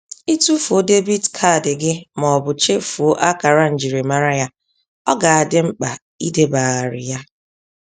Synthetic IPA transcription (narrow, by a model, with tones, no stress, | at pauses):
i˦tu˦fo˦de˦bi˦dkʰa˦˨dɪ˨ɡɪ˦mɔ˨ɔ˨bʊ˨t͡ʃe˦fu˨o˦ʔa˦ka˨ɾa˦n̩˨d͡ʒi˨ɾi˨ma˨ɾa˦ja˦ | ɔ˦ɡa˨a˨dɪ˦ŋ͡m̩˦k͡pa˨ | i˦de˦ba˨ɣa˨ɾɪ̰˨ja˦